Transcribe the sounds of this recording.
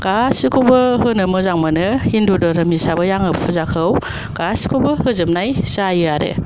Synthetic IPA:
ɡ̥asikʰobɯɦɯnɯmɯzaŋmanɯhindudɔɾɐmisabɯjaŋɯbpʰuzakʰɯw | ɡ̥asi̥kʰobɯhɯzɯm̚najsajɯaɾḛ

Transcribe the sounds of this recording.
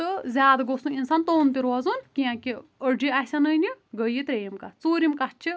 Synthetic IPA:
t̪ɨzʲaːd̪ɡosũinsaːnt̪oːnt̪iɾozunkiãkiəɾɖiaɦsʲanɐjniɡəjit̪ɾeːjimkat͡suːɾimkat͡ʃʰi

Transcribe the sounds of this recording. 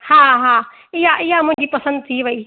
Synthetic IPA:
haːɦaː | ɪɦaʔɪɦamʊ̃ɦɪ̃ɲd͡ʑipɐsə̃nd̪̚t̪ʰiʋɐiː

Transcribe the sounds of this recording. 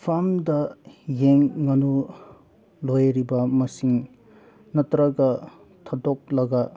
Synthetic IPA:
pʰamdɐjeŋːɐnu | lojɾibɐmɐsiŋ | nɐtɾɐɡɐ | tʰɐdɔk̚lɐɡɐ

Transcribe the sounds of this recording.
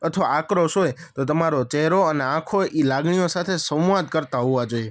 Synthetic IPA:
ət̪ʰəʋaakɾoʃojt̪ot̪̬əmaɾot͡ʃɛɦɾoəneãkʰoʔilaɡɳijosat̪ʰesə̃mʋad̪̚kəɾt̪aɦoʋad͡ʒoje

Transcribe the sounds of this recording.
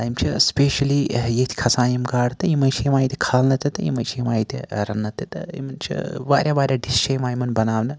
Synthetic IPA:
ɐjimt͡ʃʰispʲeːʃɐlijet̪ʰi̥kʰɐsaːjimɡaːɽt̪ɐjimɐjt͡ʃʰiimaːjit̪ʰʲi̥kʰaːlnɐt̪ɐt̪ɐjḭmɐjt͡ʃʰijmaːjit̪ʲḛɾɐnːɐt̪ːɐt̪ɐ̰ḭmɐnt͡ʃʰḭʋa̰ːɾʲjaːʋaːɾʲjaːɖist͡ʃɐjmaːjimɐnbɐnaːʋnɨ

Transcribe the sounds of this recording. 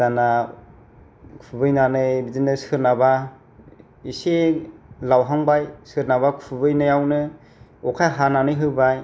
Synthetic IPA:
z̥ana | kʰubɯjnanɯbizinɯsɯɾnaba | iselawɦaŋbajsɯɾnaβakʰubɯjnajawnɯ | ɔkʰajɦananɯjɦɯbaj

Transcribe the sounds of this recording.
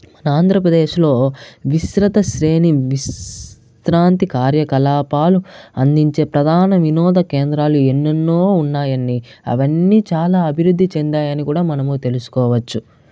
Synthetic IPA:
mɐnɐaːnd̪ʱɾɐpɾɐd̪eːʃlo̞ːʋisɾɐt̪ɐʃɾe̞ːniʋis | t̪ɾaːnt̪ikaːɾjɐkɐlaːpaːluɐnd̪iɲt͡ʃe̞ːpɾɐd̪ʱaːnɐʋinɔːd̪ɐkeːnd̪ɾaːluenːɐnːoːunːaːjɐnːiɐ̰ʋɐnːiːt͡ʃaːlaːɐbʱiɾud̪ʱːit͡ʃend̪aːjɐnikuːɽaːmɐnɐmuːt̪e̞lusu̥kɔːʋɐt͡ʃːu

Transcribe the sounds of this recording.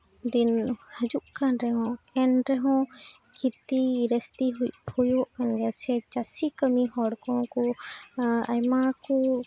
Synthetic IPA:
d̪inhəd͡ʒuʔkanɾɛɦɔ̃ɛnɾɛɦɔ̃ | kʰit̪iɾɛst̪iɦuc̚pʰɔjɔʔanɡɛsɛt͡ʃasikəmihɔɽkɔ̃ku | ajmaku

